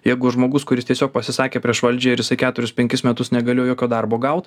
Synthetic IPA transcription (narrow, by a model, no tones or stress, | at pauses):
jɛɪɡʊʒmoːɡʊskʊɾʲɪst̪ʲiɛsʲoːk̚pɐsʲɪsɑːkʲeːpʲɾʲiɛʃʋɐlʲd͡ʒʲeːɪɾjɪsɐɪkʲæːt̪ʊɾʲʊspʲɛŋʲkʲɪsmʲɛt̪ʊsnʲɛɡɐlʲɪjjoːkʲoːd̪ɐrboːɡɐʊt̪